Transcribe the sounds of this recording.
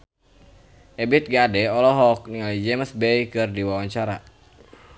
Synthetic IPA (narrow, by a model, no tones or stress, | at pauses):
ʔɛbit̪̚ɡadɛɔlɔɦɔk̚niŋalid͡ʒɛməsbɛjkɨrdiwawaɲt͡ʃaɾa